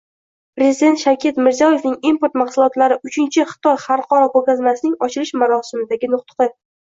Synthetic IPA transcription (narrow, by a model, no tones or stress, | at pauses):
pɾe̞zid̪e̞nt̪ʃakʲʰe̞t̪mɪɾzijɒje̞fnɪŋimpoɾt̪maqsʊlˠɒt̪laɾɪʔʊt͡ʃʰɪnt͡ʃʰɪχɨ̥t̪ʰɒjχaɾqʰɒɾɒboɡʲazmasɪnɪŋɒt͡ʃʰɪlɪʃmaɾɒsɪmɪd̪aɡʲɪnʊqt̪ɨ̥qɨ